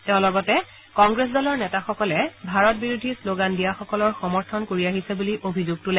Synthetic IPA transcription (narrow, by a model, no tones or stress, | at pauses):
teʊ̃lɔɡɔtɛ | kɔŋɡɹes̬dɔlɔɹnɛtaxɔkɔlɛbʱaɹɔt̚biɹudʱisloɡandijaxɔkɔlɔɹxɔmɔɹtʰɔnkoɹiaɦisɛbuliʔobʱizuɡ̚tulɛ